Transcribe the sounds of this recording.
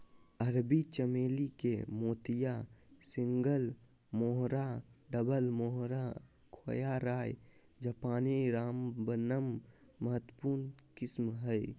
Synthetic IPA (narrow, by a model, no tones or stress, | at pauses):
əɾbit͡ʃəmeːlikemoːt̪ijasĩŋɡəl | moɦɾaɖəbəlmoɦɾa | kʰo̰jaɾaːj | d͡ʒəpaːniɾaːmbənəmː | əɦət̪ːəpuɾnkɪsmɦəj